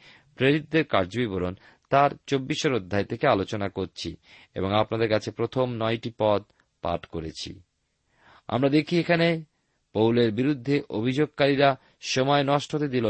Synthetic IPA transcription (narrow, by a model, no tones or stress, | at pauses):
pɾeɾit̪̚ːeɾkaɾd͡ʑobibolon | t̪aɾt͡ɕobːiʃoɾod̪ʱːaet̪ʰekealot͡ɕonakoɾt͡ɕʰḭ | ḛboŋapnad̪eɾkat͡ɕʰepɾot̪ʰomnɔjʈipɔd̪̚ | pa̰ʈkoɾet͡ɕʰḭ | a̰mɾad̪ekʰiekʰane | powleɾbiɾud̪ʱːeʔobʱid͡ʑoɡ̚kaɾiɾa | ʃɔmɔenɔʃʈʰot̪ed̪ilo